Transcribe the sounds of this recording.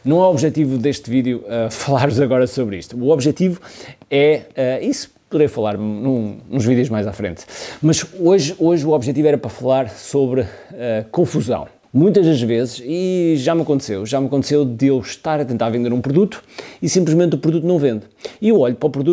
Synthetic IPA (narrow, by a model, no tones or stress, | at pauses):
nɐ̃w̃aɔβʒɛt̪ivuðeʃt̪viðjuɛfɐlˠaɾvuzɐɣɔɾɐsoβɾḭʃt̪uːɔβʒɛt̪ivuɛɛisu̥puðɾejfɐlˠaɾmnũnũʒviðjuʒmajzafɾḛ̃nt̪mɐʃoʒoʒuɔβʒɛt̪ivɛɾɐpɾɐfɐlˠaɾsoβɾɨɛkõfuzɐ̰̃w̃ | mũj̃t̪̬ɐʒðɐʒvezɨʃiʒamɐkõnt̪sewʒamɐkõnt̪sewðɨewʃt̪aɾɐt̪ẽnt̪aɾvẽnd̪eɾũpɾuðut̪u̥isĩmplˠʒmẽnt̪upɾuðut̪unɐ̃w̃vẽnd̪iewɔʎupɾɔpɾuðu